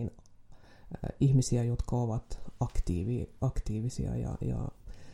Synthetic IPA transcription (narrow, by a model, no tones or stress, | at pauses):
n | ihmisiæjot̪kɑoʋɑt̪ɑkt̪ḭːʋiɑkt̪iːʋisḭɑ̰jɑ̰jɑ̰